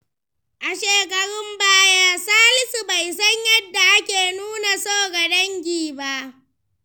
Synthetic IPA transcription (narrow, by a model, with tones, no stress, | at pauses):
ʔa˨ʃeː˨k̬ɐ˨ɾɪ˦mbaː˦jaː˦saː˦lɪ˦su˨ba˨jsɐ˦ɲjɐ˦dːa˨ʔa˦kʲeː˨nuː˦na˨soː˦ɡɐ˨dɐ˦ŋɡʲiː˨ba˦˨ʔ